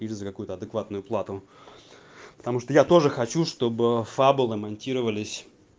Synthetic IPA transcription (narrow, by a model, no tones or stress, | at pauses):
ilʲzəkɐkujʊt̪əɐd̪ɨkvat̪nʊjʊplˠat̪ʊ | pət̪ɐmuʂt̪əjat̪o̞ʐɨxɐt͡ɕuʂt̪o̞bɨfabʊlˠəmɐnʲtʲiɾəvəlʲɪsʲ